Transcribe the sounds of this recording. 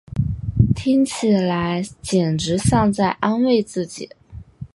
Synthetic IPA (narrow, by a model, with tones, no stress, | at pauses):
t̪ʰi˥ŋt͡ɕʰi˨˩la˧˥ɪt͡ɕjɛ˨˩nʈ͡ʂɻ̩˧˥ɕjɑ˥˧ŋt͡sa˥˩ɪʔa˥nwe˥˧ɪt͡sɹ̩˥˩t͡ɕḭ˨˩˦